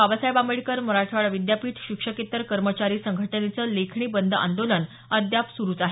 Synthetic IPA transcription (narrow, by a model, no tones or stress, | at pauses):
abəsajbamɭikəɾməɾaʈʰʋaɭʋid̪japiːʈʰɕikʂəket̪əɾkəɾmət͡ɕaɾiːsəŋɡʱəʈənet͡səlekʰɳiːbənd̪ʱəa̰nd̪oləɳ | əd̪ʱjapsuɾuːt͡saɦe